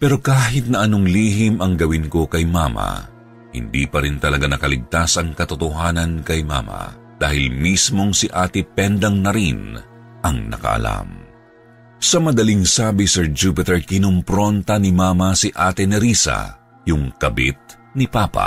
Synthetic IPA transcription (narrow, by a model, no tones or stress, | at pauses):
pɛɾo̞kaːɦɪt̪̚nɐʔɐnoŋliːɦimɐŋɡɐwinko̞kɐjmamɐ̰ | hɪ̰nd̪iːpɐɾint̪ɐlɐɡanɐkɐlɪɡ̚t̪asɐŋkɐt̪ot̪ʊɦaːnɐnkɐjma̰ːmɐ̰ | d̪̥aːhɪlmismo̞ŋsiʔaːt̪ɪpɛnd̪ɐŋnɐɾin | ʔɐŋnɐ̰kɐ̰ʔɐ̰la̰m | sɐmɐd̪ɐliŋsaːbisɛɹd͡ʒupɪt̪ɛɹkɪnʊmpɾo̞nt̪ɐnimaːmɐsiʔaːt̪ɛnɛɾisɐ̰ | jʊŋkɐbit̪̚ | nɪpapɐ̰